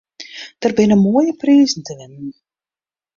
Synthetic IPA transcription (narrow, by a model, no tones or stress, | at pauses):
d̥ərbɪnəmuəjəpriːzn̩təʋɪnən